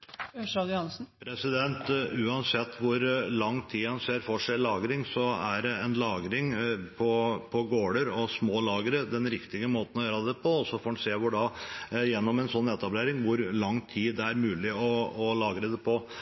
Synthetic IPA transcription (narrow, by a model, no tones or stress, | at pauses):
ʂɑd̪jhɑnsn̩pʰɾɛsɪd̪ɛnt̪ʉːɑnsɛt̪ːʋʊɾlɑŋːt̪ʰiːhɑnseːɾfoːʂɛɪlɑːɡɾɪŋsɔæ̰ɾɛɛnlɑːɡɾɪŋpʰɔpʰɔɡoːɽəɾɔsmoːlɑːɡəɾəd̪ɛnɾɪkt̪ɪɡəmoːt̪n̩ɔjøːɾɑd̪ɛpʰɔɔsɔfoːɾɛnseːʋʊɖɑjɛnːɔmɛnsɔnːɛt̪ɑbleːɾɪŋʋʊɾlɑŋːt̪ʰiːd̪ɛæɾmʉːlɪɔɔlɑːɡəɾɛd̪ɛpʰɔ